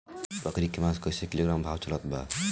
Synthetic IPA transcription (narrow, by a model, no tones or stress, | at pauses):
pɾɐkɾikemãskɔjsekiloːɡɾambʱaːwt͡ʃɐlɔt̪̚ba̰